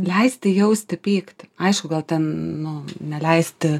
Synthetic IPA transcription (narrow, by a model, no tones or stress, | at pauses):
lʲɛɪsʲt̪ʲɪjɛʊsʲt̪ʲɪpʲiːkt̪ʲɐɪʃkʊɡɐlˠt̪ʲɛnnʊnʲɛlʲɛɪsʲt̪ʲɪ